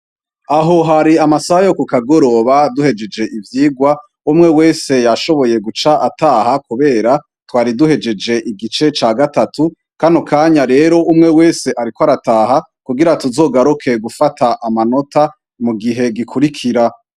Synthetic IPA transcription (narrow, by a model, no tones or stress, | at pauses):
aɦo̞ɦaɾiamasahajo̞kukaɡo̞ɾo̞βaduhe̞d͡ʒe̞d͡ʒe̞ʔivjiːɡwa | umŋe̞we̞ːse̞jaʃo̞βo̞je̞ɡut͡ʃaʔataːhakuβe̞ːɾa | twaːɾiduhe̞d͡ʒe̞d͡ʒe̞ʔiɡit͡ʃe̞t͡ʃaːɡatatu | kanokʰaːɲaɾe̞ːɾo̞ʔumŋe̞we̞ːse̞ʔaɾikwaɾataːɦa | kuɡiɾatuzo̞ːɡaɾukʰe̞ɡufatʰaʔamano̞tʰa | muɡiɦe̞ɡikʰuɾikʰiɾa